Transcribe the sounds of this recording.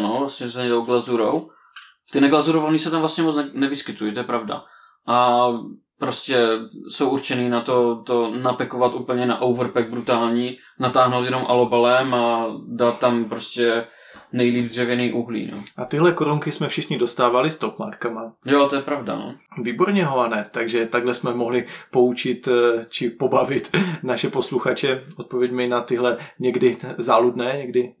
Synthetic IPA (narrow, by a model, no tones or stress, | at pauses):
novlasɲɛsɛɲɛdowɡlazuɾow | t̪ɪnɛɡlazuɾovaniːsɛt̪amvlast̪ɲɛmot͡snɛvɪskɪt̪ujit̪ojɛpɾavda̰ | ʔa | pɾoscɛsowʔuɾt͡ʃɛniːnat̪ot̪onapɛkovat̪ʔuːpl̩ɲɛnaʔowvɾpɛɡ̚bɾut̪aːlɲiː | nat̪aːɦnowt̪jɛnomʔalobalɛmadat̪ːampɾoscɛ | nɛjliːb̚d̪rɛvjɛniːʔuɦlḭːno̰ʔat̪ɪɦlɛkoɾuŋkɪsmɛfʃɪxɲɪdo̞st̪aːvalɪst̪opma̰ɾkamajot̪ojɛpɾavda̰no̰viːbo̞ɾɲɛɦoanɛt̪aɡʒɛt̪aɡlɛsmɛmo̞ɦlɪpo̞ut͡ʃɪt̪t͡ʃɪpo̞bavɪt̪naʃɛpo̞sluxat͡ʃɛʔot̪̚povjɛɟmɪnat̪ɪɦlɛɲɛɡdɪzaːludnɛːɲɛɡdɪ